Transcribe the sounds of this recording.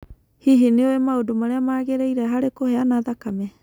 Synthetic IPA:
hiɦineoemaodumaɾeamaːɣeɾajɾaɦaɾekoheanaðakamɛ

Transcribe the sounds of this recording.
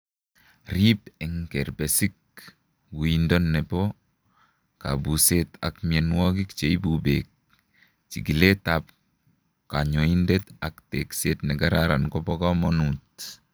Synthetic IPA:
ripɛŋkɛɾbɛsik̚ | ɡuindɔnːɛpɔ | ka̰buset̪a̰kmiɛnwɔk̬ikt͡ʃeibubek̚ | t͡ʃḭɡiletap̚ | kaɲoindetaktekset̪nɛɡaɾaɾankɔbɔkamɔnut

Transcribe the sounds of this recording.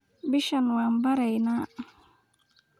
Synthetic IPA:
biʃanwambaɾajnaʔ

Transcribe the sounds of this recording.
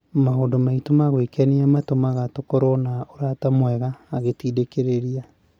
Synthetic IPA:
maondomaitomaɣwekɛniamatomaɣatokɔɾɔnaoɾatamwɛɣaːɣetiːdekeɾeɾia

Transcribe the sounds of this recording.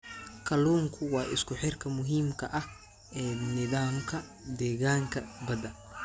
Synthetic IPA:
kʰɐluːŋkʰʊwɑːʔɪskʰʊħɪrkʰɐmʊɦiːmkʰɐʔɐh | ɛːnɪðaːmkʰɐ | d̪ɛːɣaːŋkʰɐbɐðɐn

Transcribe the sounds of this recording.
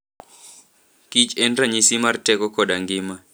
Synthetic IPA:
kit͡ʃɛndraɲisimartɛkɔkɔɗaŋɡɪma

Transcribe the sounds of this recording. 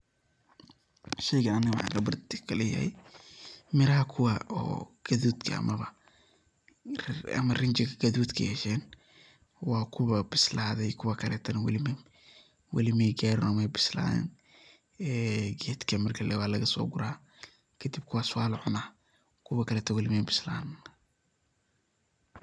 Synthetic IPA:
ʃɛjɣɐːnɪm̰a̰ɡɐbɐrd̪ɪkʰɐlɛjɐ̰hɛ̰j | mɪɾɐɦɐkʰʊwaɔ̰ːɡ̥ɐðuːd̪kʰɐ̰ɐ̰mɐβɐ̰ | ɐ̰mɐrɪnt͡ʃɪɡʰɐɡɐðuːd̪kʰɐ̰hɛʃɛːn | wɑːkʰʊβɐbɪslaːðɛjkʰʊwɐkʰɐlɛ̰ːt̪ʰɐnwɐ̰lɪm | wɐ̰lɪmɛjɡaːɾɛnɔmɛjbɪsla̰ːɛ̰n | ɛːɡɛːd̪kʰɐmɐrkʰɐlɛwaːlɐɣɐsɔ̰ːɡʊɾaː | kʰɐd̪ib̚kʰʊwaːsʊwaːlʕʊnɐ | kʰʊwɐkʰɐlɛːt̪ʰɐwɐlɪmɛjbɪsla̰ːn

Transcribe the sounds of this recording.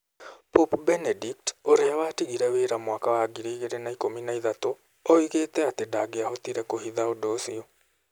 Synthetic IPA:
popbɛnɛdik̚toɾeawaːtiɣiɾɛweːɾamwakawaɡiɾiːɣeɾenaikominaiðato | ɔiɣeːtɛatedaɡeahɔtiɾɛkohiðaodoːsiɔ

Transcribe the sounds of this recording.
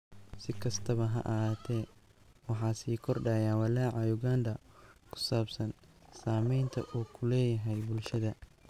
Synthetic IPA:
sɪkʰɐst̪ʰɐβɐɦɐ̰ʔɐɦaːt̪ʰɛː | wɑħɑːsiːkʰɔrɖaːjaːwɐlɛːʕɑjʊɡaːnd̪ɐkʰʊ̥saːbsɐn | saːmɛjnt̪ʰɐ̰ʔuːkʰʊlɛːjɐɦɛjbʊlʃɐðɐ

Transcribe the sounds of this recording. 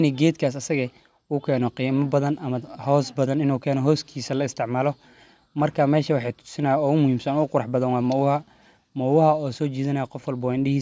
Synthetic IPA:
niɡɛːd̪kʰaːsɐsɐɣɐ | uːkʰɛːnɔqiːmɐbɐðɐnʔɐmɐhɔːsbɐðɐnɪnuːkʰɛːnɔɦɔːskʰiːsɐlɐɪst̪ʰɪʕmaːlɔ | mɐrkʰaːmɛːʃɐwɑħɑjt̪ʰʊ̥sɪnajaɔːʊmʊhiːmsɐnɔʊqʊɾɑħbɐðɐnwɑːmɐwhɐ | mɔwɐhɐɔːsɔːt͡ʃiːðɐnɐjɐqɔfwɐlbɐwaːɪ̃nɗɪhiː

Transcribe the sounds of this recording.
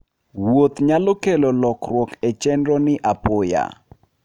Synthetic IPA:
wot̪ɲalokelolɔkɾwɔket͡ʃɛndɾɔnɪʔapoja̰

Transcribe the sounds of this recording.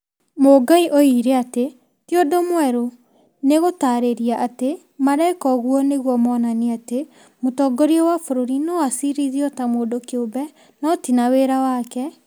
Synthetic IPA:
moɡaiʔoiɾeate | tjodomwɛɾo | neɣotaɾeɾiaʔate | maɾaikɔɣwɔneɣwɔmɔnaniate | motɔːɡɔɾiɔwafoɾoɾinɔasiɾiðiɔtamoːdokeobɛ | nɔtinaweɾawakɛ

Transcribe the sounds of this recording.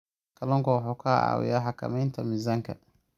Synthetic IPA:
kʰɐlɔŋkɔwħɔːkʰaːa̰ːwɪ̰jaħakɐ̰mɛjnt̪ʰɐmɪzaŋkʰɐ̰

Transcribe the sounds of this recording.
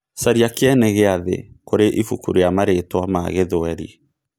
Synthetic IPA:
saɾiakeɛnɛɣeaðḛkoɾeʔifukṵɾijamaɾetwamaɣeðoɛɾḭ

